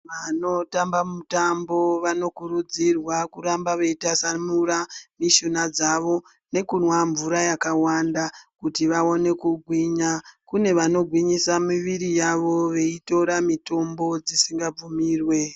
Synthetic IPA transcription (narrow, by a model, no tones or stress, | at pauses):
ʋano̞tambamutambo̞ʋano̞kuɾud͡zirwakuɾambaʋe̞itasamuramiʃunad͡zaʋo̞ | ne̞kunwaɱvuɾajakawandakutiʋao̞ne̞kuɡʱwiɲakune̞ʋano̞ɡʱwiɲisamiʋirijaʋo̞ʋe̞ito̞ɾamito̞mbo̞d͡zisiŋɡab͡vumiːrwe̞